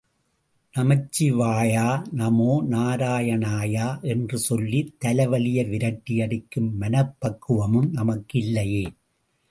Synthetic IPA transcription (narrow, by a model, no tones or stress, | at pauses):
nɐmɐt͡ʃːiʋaːjaːnɐmoːnaːɾaːjɐnaːjaːʔɛndrɯsɔlːit̪ːɐlɐʋɐlɪjɐʋɪɾɐʈːɪjɐɽɪkːɯmːɐnɐpːɐkːɯʋɐmɯmnɐmɐkːɪlːɐjeː